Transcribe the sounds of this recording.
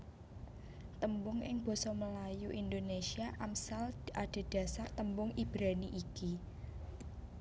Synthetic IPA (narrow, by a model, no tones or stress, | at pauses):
t̪əmbʊŋʔɪŋb̥ɔ̤sɔməlajuʔind̪onesiaʔamsalʔaɖ̥e̤d̥ä̤sart̪əmbʊŋib̥ɾaniʔiki